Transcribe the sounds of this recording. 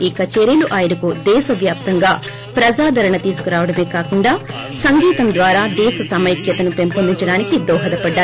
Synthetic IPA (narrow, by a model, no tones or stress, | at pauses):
ikɐt͡ʃeɾiluʔaːjɐɾɐkud̪ɛːʃɐʋjaːp̚t̪ɐŋɡaː | pɾɐd͡ʒaːd̪ʱɐɾɐɳɐt̪iːsu̥kuɾaːʋɐɽɐme̞ːkaːkuɳɖaː | sɐŋɡiːt̪ɐmd̪ʋaːɾaːd̪ɛːʃɐsɐmɐjkjɐt̪ɐnupempɐnd̪iɲt͡ʃɐɽaːnikid̪ɔːɦɐd̪ɐpɐɖːaː